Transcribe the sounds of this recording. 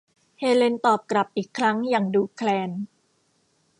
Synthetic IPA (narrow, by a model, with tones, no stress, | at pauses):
heː˧le˧nt̪ɔː˨˩p̚kɾa˨˩p̚ʔiː˨˩kʰːɾa˦˥ŋjaː˨˩ŋduː˧kʰlɛː˧n